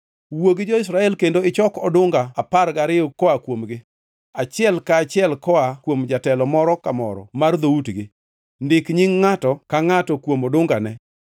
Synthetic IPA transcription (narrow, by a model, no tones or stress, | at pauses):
woɡɪd͡ʒɔɪs̬ɾaɛlkendoɪt͡ʃɔkɔdʊŋɡaːpaɾɡaɾɪɔkɔakwomɡɪ | at͡ʃɪɛlkaːt͡ʃɪɛlkɔakwomd͡ʒatɛlɔmɔɾɔkamɔ̰ɾɔ̰mard̪outɡɪ | ndɪkɲiŋːatɔkaŋatɔkwomodʊŋɡanɛ